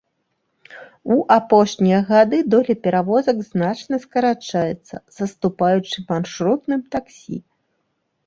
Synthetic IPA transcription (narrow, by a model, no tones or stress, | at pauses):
uʔapɔʂnʲijɐɣad̪ɨd̪ɔlʲɛpʲɛɾavɔzɐɡznat͡ʂnɐskɐɾat͡ʂajɛt̪sːɐ̰zɐst̪upajut͡ʂɨmanʂɾut̪nɨmt̪aksʲḭ